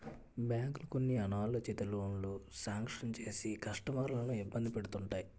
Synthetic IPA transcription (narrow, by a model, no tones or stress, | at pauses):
bjaːŋklɐkonːiɐnaːlɐt͡ʃet̪ɐloɳlusaːŋkʂɐnt͡ʃe̞ːsikɐʂʈɐmɐɾulɐnuibːɐnd̪ipe̞ɽut̪uɳʈaːji